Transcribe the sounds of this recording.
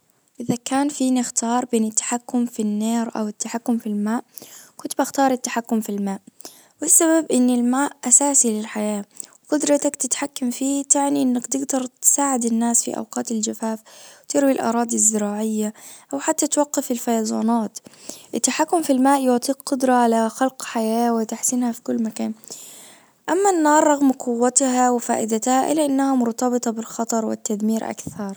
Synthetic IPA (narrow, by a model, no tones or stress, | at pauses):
ʔɪðakaːnfiːnɪxt̪ɑːɾˤbeːnɪt̪ːḁħakːʊmfinːeːɾʔa̰wɪt̪ːaħakːʊmfilmaːʔkʊnt̪baxt̪ɑːɾˤɪt̪ːaħakːʊmfilmaːʔ | wɪsːababʔɪnːɪlmaːʔʔasaːsilɪlħajaː | qʊd̪ɾˤɑt̪akt̪ɪt̪ħakːamfiːt̪aʕniʔɪnːakt̪ɪɡd̪ɑɾˤt̪saːʕɪd̪ɪnːaːsfḭʔa̰wqɑːt̪ɪld͡ʒafaːfwt̪ɪɾwilʔɑ̰ɾˤɑːd̪izːɪɾaːʕɪjːaʔawħat̪ːat̪waqːɑfɪlfajɑzˤɑ̰ːnɑːt̪ʔɪt̪ːaħakːʊmfilmaːʔjʊʕt̪ˤiːq̚ːqʊd̪ɾˤɑʕalaxalqħajaːwɪt̪aħsɪnhafi̥kʊlːmakaːn | ʔamːanːɑːɾˤːɑɣmqʊwːat̪hawɪfa̰ːʔɪd̪at̪haʔɪ̰lːaʔɪnːahamʊɾt̪ɑbɨt̪ˤɑbɪlxɑt̪ˤɑɾˤwɪ̰t̪ːad̪miːɾʔa̰kθɑɾˤ